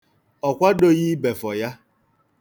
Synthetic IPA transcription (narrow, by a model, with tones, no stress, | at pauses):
ɔ˨kʷa˦do˦ɣi˦be˨fɔ˨ja˦